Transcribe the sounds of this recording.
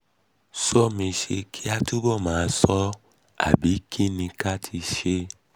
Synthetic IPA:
sɔ˦mĩ˧ʃe˧kʰi˦a˧tu˦bɔ˦˨mãː˨˦sɔ˦ | a̰˦˨bi˨˦kʰi˦nĩ˧ka˦tʰi˧ʃe˦

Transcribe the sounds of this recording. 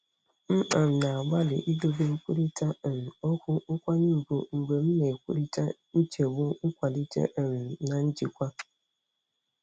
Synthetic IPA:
m̩˦k͡pa˨m̩˨na˨a˨ɡ͡ba˦lɪ̰˨ʔi˦do˦be˦ŋ̩˦kʷu˦ɾi˦ta˦˨ɾi˨ɔ˦kʷʊ˦ʊ˦kʷa˦ni˦˨ku˨ŋ͡m̩˨ɡ͡be˨m̩˦ne˨kʷu˦ɾi˦ta̰˦n̩˦t͡ʃe˨bʊ˦ŋ̩˦kʷa˨li˦t͡ʃḛ˦ʔe˨ɾi˨na˨n̩˦d͡ʒi˨kʷa˦

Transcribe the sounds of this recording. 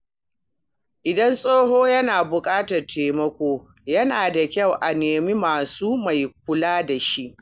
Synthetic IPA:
ʔɪ˨dɐ˦nsʼoː˦ɦoː˦jɐ˦naː˨bʊ˨kʼaː˦tɐ˨rtʰeː˨mɐ˦kʷoː˦ | jɐ˦naː˨da˨kʲɐ˦˨wʔa˨neː˨miː˦maː˨suː˦ma˨jk̚ʷʊ˦laː˦da˨ʃi˦ʔ

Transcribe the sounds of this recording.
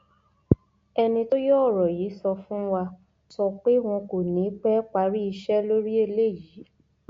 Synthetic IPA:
ɛ˧nĩ˧to˦jɔ˦˨ɾɔ˨ji˨˦sɔ˧fũ˦wa˧ | sɔ˧k͡pe˦w̃ɔ̃˧ko˨nĩ˨˦k͡pɛ˦k͡pa˧ɾi˦i˧ʃɛ˦lo˦ɾi˦e˧le˦˨ji˨˦

